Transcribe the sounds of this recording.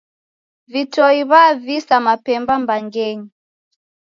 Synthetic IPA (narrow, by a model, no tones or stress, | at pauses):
vitɔiβavisamapɛmbambaŋɡɛɲi